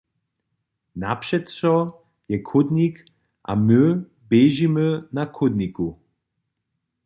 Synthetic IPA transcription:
na̰pʂɛt̪sɔ | jɛkʰʊd̪nik | ʔa̰mɨ | bɛʒimənakʰʊd̪niku

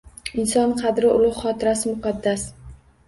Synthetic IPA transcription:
ɪnsɒnqʰɑd̪ɾɪʔʊlˠʊhχɒt̪ʰɪɾasɪmʊqʰɑd̪ːas

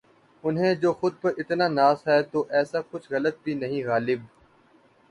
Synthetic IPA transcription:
ʊnɦẽːd͡ʒoːxʊd̪̚pɐɾʔɪt̪naːnaːsɦɛːt̪oːʔɛːsakʊt͡ʃʰɣɐlət̪̚bʱinɐɦĩɣaːlɪb

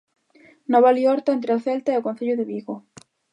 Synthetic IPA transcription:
noβalioɾt̪aent̪̬ɾeoθelt̪aeaokon̟θeʎoðeβiɣo

